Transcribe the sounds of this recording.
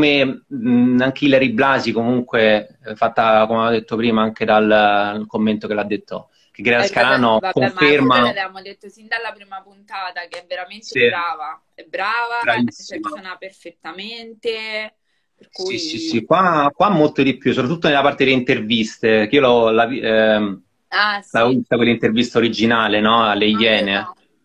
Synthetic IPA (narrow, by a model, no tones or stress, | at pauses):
kome | aŋk̟eilɾiblaːzikomuŋkwe | fat̪ːakomeaad̪et̪ːopɾiːmaaŋk̟ed̪alkomːent̪okelad̪ːet̪ːo | keɡɾɛlaskaɾaːnokoɱfermaamod̪et̪ːosind̪alːapɾiːmapunt̪aːt̪akeɛveɾamentiɾaːva | ɛbɾaːvabɾavisːmasonaperfet̪ːament̪e | esisisikwakwamːolt̪od̪ipjusopɾat̪ːut̪ːonelapart̪ed̪elːeint̪ervist̪ekiːolɔlavi | alavist̪akwelːint̪ervist̪aoɾid͡ʒinaːlenɔalːejːɛːne